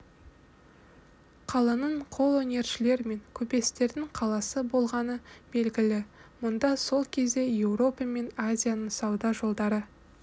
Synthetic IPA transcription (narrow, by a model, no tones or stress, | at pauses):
qʰɑlˠənəɴqʰo̞lˠwɵnʲe̞ɾʃɪle̞ɾme̞ŋkʲʰɵpe̞st̪e̞ɾd̪ɪŋqʰɑlˠɑsəbo̞lˠʁɑnəb̥e̞lɡʲɪlɪmʊnd̪ɑso̞lˠkʲʰe̞zd̪e̞je̞wɾo̞pɑme̞nazʲijanəɴsɑwd̪ɑʒo̞lˠd̪ɑɾə